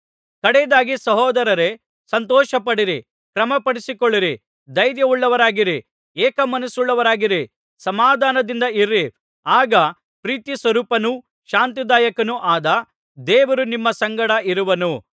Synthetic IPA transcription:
kɐɽɛd̪aːɡisɐɦɔːd̪ɐɾɐɾe | sɐnt̪ɔːʃɐpɐɽiɾi | kɾɐmɐpɐɽisikoɭːiɾi | d̪ɐjɾjɐuɭːɐʋɐɾaːɡiɾi | ɛːkɐmɐnusuɭːɐʋɐɾaːɡiɾi | sɐmaːd̪ʱaːnɐd̪ind̪ɐiɾi | aːɡɐ | pɾiːt̪jisʋɐɾuːpɐnu | ʃaːnt̪̬id̪aːjɐkɐnuʔaːd̪ɐ | d̪ɛːʋɐɾunimːɐsɐŋɡɐɽɐiɾuʋɐnu

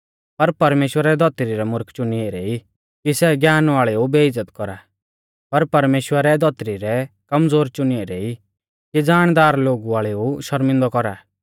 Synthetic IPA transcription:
pɐɾpɐɾmeːʃwəɾɛd̪ʱɔt̪ɾiɾɛmʊɾkʰt͡ʃʊnieɾeːi | kisɛɡjaːnaːɭɛubeɪd͡zːət̪kɔɾa | pɐɾpɐɾmeːʃwəɾɛd̪ʱɔt̪ɾiɾɛkɐmd͡zoːɾt͡ʃʊnieɾeːi | kid͡zaːɽ̃d̪aːɾloːɡuaːɭɛuʃɐɾmɪ̃nd̪ɔkɔɾaː

